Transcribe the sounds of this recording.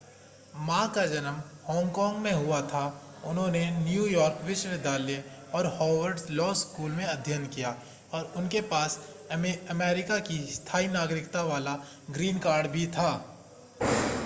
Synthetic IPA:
mãːkad͡ʒɐnəmhɔ̃ːŋɡkɔ̃ːŋɡmẽɦʊat̪ʰa | ʊnɦõnenjuːjɔːɾkʋɪʃʋed̪ʱaːleɔːɾhɔːʋəɾɖzlɔːskuːlmẽɐd̪ʱjənkija | ɔːɾʊnkepaːs | ɐmɛːɾɪkakist̪ʰaːinaːɡɾɪkt̪aʋaːla | ɡɾiːnkaːɾɖbʱit̪ʰaː

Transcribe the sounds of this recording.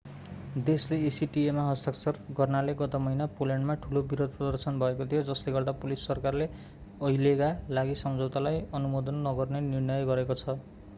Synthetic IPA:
d̪esleesiʈiemaɦʌst̪aksʌrɡʌrnaleɡʌt̪amʌinapoljaɳɖmaʈʰulobiɾod̪̚ʱprʌd̪ʌrsʌnbʱʌekot̪ʰijod͡zʌsleɡʌrd̪apulisːʌrkarle | ʌilekalaɡisʌmd͡zowt̪alajʌnumod̪ʌnːʌɡʌrnenirnʌjɡʌɾekot͡sʰʌ

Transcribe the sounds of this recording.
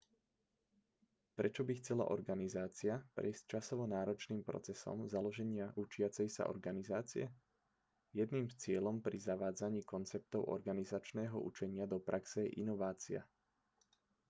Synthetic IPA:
pɾɛt͡ʃɔbixt͡sɛla̰ʔɔɾɡanizaːt͡siapɾɛ̰jsct͡ʃasɔʋɔnaːɾɔt͡ʃniːmpɾɔ̰t͡sɛsɔ̰mzalɔʒɛɲɪaʔut͡ʃɪat͡sɛjsa̰ʔɔ̰ɾɡanizaːt͡siɛ | jɛd̪niːmst͡sɪɛlɔmpɾizaʋaːd͡zaɲiːkɔnt͡sɛp̚t̪ɔʊʔɔ̰ɾɡanizat͡ʃnɛːɦɔ̰ʔṵt͡ʃɛɲɪad̪ɔpɾaksɛjɛʔinɔʋaːt͡sia̰

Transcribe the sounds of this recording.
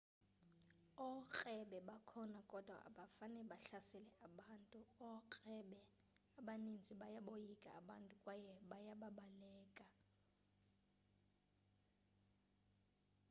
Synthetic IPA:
ɔk͡xʼɛɓɛɓakʰɔnakʼɔd̥ʱwa̰ʔa̰ɓafanɛɓaɬasɛlɛaɓaːntʼuɔkʼɛɓɛ | aɓanind͡zʱiɓajaɓojikʼa̰aɓantʼukʼwajɛɓajaɓaɓalɛːkʼa

